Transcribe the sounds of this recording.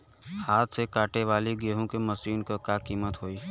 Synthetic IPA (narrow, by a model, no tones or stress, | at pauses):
haːt̪ʰsekaːʈeʋaːliɡeːɦõkemɐsiːnkakaːkiːmət̪ɦoːiː